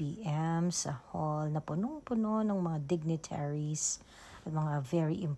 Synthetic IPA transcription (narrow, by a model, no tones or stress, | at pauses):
iʔɛmsɐ̰holnɐpʊnoŋpʊnonɐŋmɐŋad̪ɪɡ̚nɪt̪ʰɛɹis | ʔɐt̪̚mɐŋavɛɹiʔɪmp